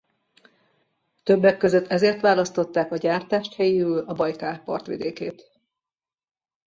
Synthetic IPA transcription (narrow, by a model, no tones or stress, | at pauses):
t̪øbːɛkːø̞zøt̪ːɛzeːrt̪ʋaːlɒst̪o̞t̪ːaːkɒɟaːrt̪aːʃt̪hɛjiøːlɒbɒjkaːpɒ̰rt̪ʋḭd̪eːkeːt̪